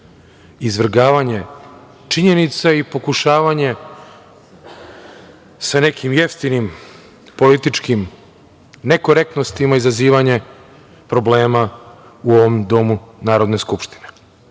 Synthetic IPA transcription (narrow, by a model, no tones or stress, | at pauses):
izʋr̩ɡaːʋaɲe̞ | t͡ʃiɲe̞nit̪saipo̞kuʃaːʋaɲe̞ | sane̞kʰimje̞ft̪inim | po̞lit̪it͡ʃkim | ne̞ko̞ɾe̞k̚t̪no̞st̪imaizaziːʋaɲe̞ | pɾo̞ble̞ːma | uoʋo̞md̪o̞munaːɾo̞d̪ne̞skupʃt̪ine̞̥